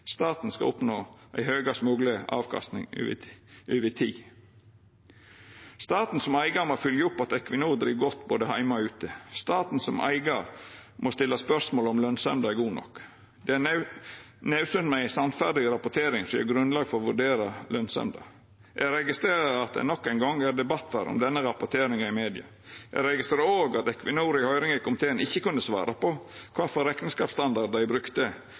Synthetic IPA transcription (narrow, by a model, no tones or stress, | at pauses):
st̪ɑːt̪n̩skɑ̰ʊpnoːʔæ̰ɪhøːɡɑsmʉːɡləʔɑ̰ːʋkʰɑ̰st̪nɪ̰ŋʉ̰ʉːʋət̪ʰiː | st̪ɑːt̪n̩sɔmæɪɡɑmoːfʏljəʊpːɑt̪ɛkʋɪnuːd̪ɾḭːʋɡɔt̪ːboːd̪əhæɪmɑɔʉːt̪əst̪ɑːt̪n̩sɔmʔæ̰ɪɡɑɾmʔost̪ɪlːɑspœsmoːlɔmlœnsɛmd̪ɑɡuːnɔ̰k | d̪̥ɛæ | næʉsʉnmæɪsɑnt̪fæɾd̪ɪɡɾɑpʊt̪ʰeːɾɪŋsɔjæ̰ɡɾʉnlɑːɡfɔɾɔʋʉɖeːɾɑlœnsɛ̰md̪ɑ̰ | jʔæɾɛɡɪst̪ɾeːɾəɾɑt̪̚d̪ɛ̰nɔkːæɪnɡɔŋæɖ̪ɛbɑt̪ːɑɾɔ̰md̪ɛnːəɾɑpʊt̪ʰeːɾɪŋɑɪmeːd̪ɪɑ̰ | jæ̰ɡɾɛɡɪst̪ɾeːɾəoːɡɑt̪ɛkʰʋɪnuːɾɪhœʏɾɪŋəkʰɔmt̪ʰeːnɪçːəkʉnd̪əsʋɑ̰ːɾɑpɔkʰʋɑːfɔɾɛk̪n̩skɑːpst̪ɑnd̪ɑdɖ̪æɪbɾʉkt̪ə